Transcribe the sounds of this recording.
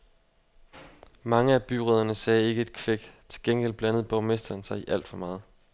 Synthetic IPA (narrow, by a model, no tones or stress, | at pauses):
mɑ̈ŋəæb̥yʁɛð̞̰ˠɐnəsɛːe̝ɡ̥əe̝d̥kʰʋeɡ̥t͡sʰe̝̥lɡ̥en̰ɡ̥el̰b̥lænəð̞̩ˠb̥ɒʊme̝sd̥ɐnsɑ̈ɪiʔæl̰d̥fɒ̽mɑ̈ːð̞̩ˠ